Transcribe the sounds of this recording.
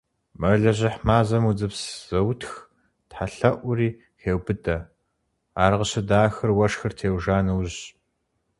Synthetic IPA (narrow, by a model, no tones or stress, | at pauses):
mɐɮɐʑɪħmaːzɐmud͡zɨpsz̥ɐwtʰx | tħaɬɐʔʷʊriː | xeːwbɨdɐ | aːrʁəɕɐdaːxɨrwɐʂxɨrtʰeːwʒaːnɨwʑ